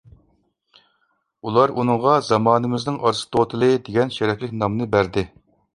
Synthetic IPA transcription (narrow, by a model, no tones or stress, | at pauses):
ulˠɑɾunɨŋʁɑzɑmɑːnɨmɪznɪŋʔɑɾsɨ̥t̪ʰot̪ʰɨlˠɨd̪eɡʲɛnʃɛɾɛkʲlɪkʲnɑmnɨbæɾd̪ɪ